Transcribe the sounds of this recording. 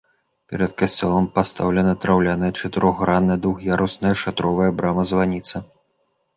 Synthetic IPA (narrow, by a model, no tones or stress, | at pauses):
pʲɛɾɐt̪̚kɐsʲt͡sʲɔlˠɐmpast̪awlʲɛnɐt̪ɾawlʲanɐjɐt͡ʂɐt̪ɨɾʔɔɣːɾanːɐd̪uxjaɾusnɐjɐʂat̪ɾɔvɐjɐbɾamɐzvanʲit̪sɐ